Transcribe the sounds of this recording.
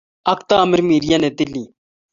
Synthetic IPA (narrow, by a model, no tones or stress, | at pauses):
ɐkt̪amɪɾmiːɾijanet̪ɪlːiː